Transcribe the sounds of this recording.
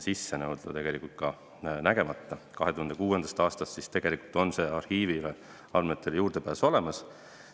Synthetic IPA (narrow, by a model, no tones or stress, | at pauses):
sisːenɤwd̪̥ɑ̰t̪e̞ɡ̥elikult̪̚kɑ | næɡe̞mɑt̪ːɑkɑɦe̞t̪uhɑnd̪e̞kuːe̞nd̪ɑst̪ɑːst̪ɑst̪sist̪e̞ɡ̥elikult̪ˑo̞nse̞ːɑrhiːvile | ɑlmet̪ːˑeljuːrd̪̥e̞pæːso̞le̞mɑs